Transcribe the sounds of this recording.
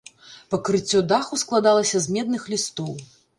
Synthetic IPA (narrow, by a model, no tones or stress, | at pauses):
pɐkɾɨt͡sʲːɔd̪axusklˠad̪alˠɐsʲɐzmʲɛd̪̚nɨxlʲist̪ɔw